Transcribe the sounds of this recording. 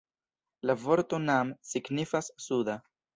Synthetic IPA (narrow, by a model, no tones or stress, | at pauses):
lavo̞ɾt̪o̞namsiɡnifasːud̪a